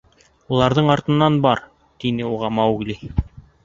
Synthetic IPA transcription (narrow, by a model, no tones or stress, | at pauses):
ulˠɑɾðɤɴɑɾt̪ɤ̆nːɑnbɑɾ | t̪inɘuʁɑmɑwɡli